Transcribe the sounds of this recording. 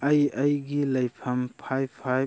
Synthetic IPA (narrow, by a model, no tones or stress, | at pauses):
ɐjɐjɡilɐjpʰɐmpʰajpʰːaj